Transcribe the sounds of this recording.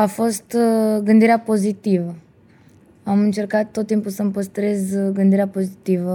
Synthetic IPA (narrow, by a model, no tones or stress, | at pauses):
afo̞st̪ɡɨnd̪iɾeapo̞zit̪ivə | amɨnt͡ʃe̞rkat̪ːot̪ːimpulsəmpəst̪ɾe̞zɡɨnd̪iɾeapo̞zit̪ivə